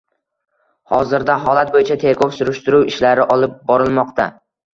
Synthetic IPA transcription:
hɒ̰zɪɾd̪aɦɒlat̪̚bojɪt͡ʃʰat̪ʰe̞kʰɒwsʊɾʊʃt̪ʊɾuwɪʃlaɾɪʔɒlˠɪp̚bɒɾɪlˠmɒqt̪ʰa̰

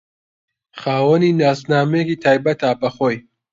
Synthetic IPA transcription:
χaːwəniːnaːsnaːmɛjekiːt̪ʰaːjbɐt̪aːbɐχoːj

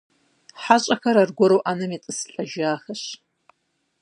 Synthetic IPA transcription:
ħaɕʼɐxɐɾarɡʷɔɾowʔanɐmet͡sʼɨsɬʼɐʒaːxɐɕ

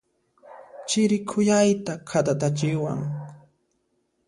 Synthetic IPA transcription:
t͡ʃɪɾɪkʰʊjajt̪akʰat̪at̪at͡ʃɪwa̰ŋ

